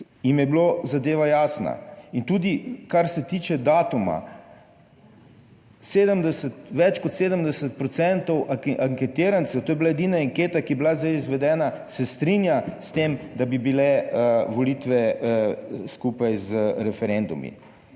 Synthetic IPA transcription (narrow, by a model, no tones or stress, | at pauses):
jimjɛblozad̪eːʋajaːsna̰int̪uːd̪ikaɾsɛt̪iːt͡ʃɛd̪aːt̪uma̰ | seːd̪əmd̪ɛsət̪ʋɛt͡ʃkɔt̪seːd̪əmd̪ɛsət̪̚pɾɔt̪sɛnt̪ɔwʔaŋkɛt̪iːɾant̪sɛwt̪oːjɛblaed̪inaaŋkeːt̪akiblazd̪ajizʋɛd̪ɛːnasɛst̪ɾinjast̪emd̪abibilɛʋɔlit̪ʋɛ | skupajzəɾɛfɛɾend̪umḭ